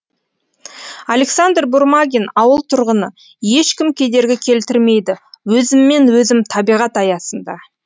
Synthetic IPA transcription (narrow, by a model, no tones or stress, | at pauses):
alʲe̞ksand̪rbʊɾmaɡʲinɑwəlˠt̪ʰʊɾʁənə | je̞ʃkʲɪmkʲʰe̞d̪e̞ɾɡʲɪkʲʰe̞lt̪ɪɾme̞jd̪ɪwɵzɪmːe̞nwɵzɪmt̪ʰɑbijʁɑt̪ɑjɑsənd̪ɑ